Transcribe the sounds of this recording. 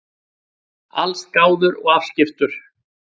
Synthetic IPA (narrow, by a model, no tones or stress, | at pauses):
alskaːwðʏɾɔɣafscɪft̪ʏɾ̥